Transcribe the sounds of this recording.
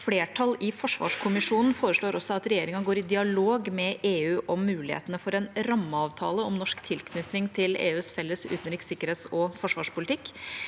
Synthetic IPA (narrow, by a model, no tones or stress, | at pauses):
fleːʈʰɑlɪfɔʂʋɑ̰ːʂkʰʊmɪʂuːnn̩foːɾəʂɭoːɾɔsːɔɑt̪ɾɛjeːɾɪŋɑɡoːɾɪd̪ɪɑloːɡmɛʔeːʉːʔɔmːʉːlɪhḛːt̪ənəfɔɾɛnɾɑmːəɑːʋt̪ʰɑ̰ːləɔmnɔʂkt̪ʰɪlkʰnʏt̪nɪŋt̪ʰɪlḛːʉːsfɛlːəsʉ̰t̪nɾɪːksɪkːəɾheːt̪sɔfɔʂʋɑ̰ːʂpʊlɪt̪ʰɪkː